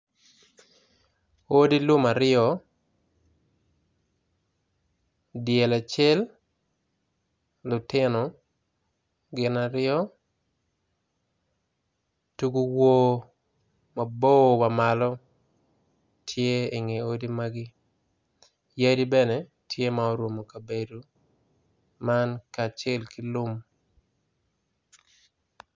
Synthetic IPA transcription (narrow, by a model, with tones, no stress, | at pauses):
o˦di˦lʊ˦ma˨ɾɪɔ˦ | dɪjɛ˨la˨t͡ʃɛ˦l | lʊ˨tɪ˦nɔ˨ | ɡɪ˨na˨ɾɪɔ˦ | tu˦ɡu˦wo˦ | ma˨bo˦wa˨ma˨lɔ˦ | tʰje˦e˨ŋe˨o˦di˦ma˦ɡɪ˦ | ja˦di˦bɛne˨ | tʰje˦maɔ˦ɾwo˨mo˨ka˨be˨du˨ | ma˦nka˨t͡ʃɛ˦lkɪ˦lʊ˦m